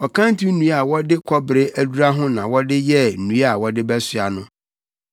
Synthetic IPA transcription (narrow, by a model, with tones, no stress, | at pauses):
ɔ˨kʰã˦n˦ti˦nũ˦a˨wɔ˦dɪ˦kʷʰɔ˦bɾɪ˦ʔæ˦du˦ɾa˦ɦʊ̃˦nã˨wɔ˦dɪ˦jɛ˦n̩˨ũ˨˦a˨wɔ˦dɪ˦bɛ˦sɥa˨nʊ̃˦